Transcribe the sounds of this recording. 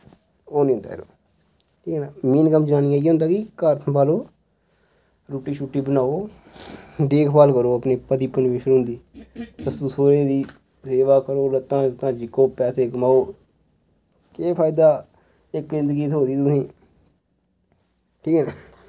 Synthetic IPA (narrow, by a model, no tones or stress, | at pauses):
oːnĩːʊ̃nd̪a̰ːḛɾo̰ː | ʈʰiːkɛːnaːmiːnkəmd͡ʒənaːniːaːiɦʊ̃ːnd̪aːkikəɾsʰəpaːloː | ɾuːʈːiːʃuʈːiːbənaːoː | d̪eːkʰpaːlkəɾoːəpneːpəd̪iːpənʋɪʃɾʊ̃nd̪iːsəst̪usoːɾeːd̪iː | seːʋaːkəɾoːlət̪ːãːət̪ãːd͡ʒɪkːoːpɛːseːkəmaːoː | keːpʰaːɪd̪aː | ɪkzɪnd̪əɡiːt̪ʰoːd̪iːt̪ʊʊsĩː | ʈʰiːkɛːnaː